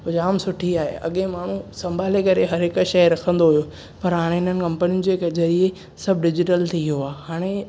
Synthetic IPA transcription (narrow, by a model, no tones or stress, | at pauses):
ɦʊd͡ʑaːmsʊʈʰiaːɦḛʔɐ̰ɠẽmaːɳ̤ũsɐ̃mbʱaːlekɐɾeɦɐɾɦɪkəʃɐjɾɐkʰə̃nd̪oɦujo | pɐɾɦaːɽ̃eɦɪn̤ənɪ̆kɐ̃mpənijʊnd͡ʑeːkzɐɾie | sɐb̚ʱɖɪd͡ʑɪʈəlt̪ʰioaːɦaːɽ̃e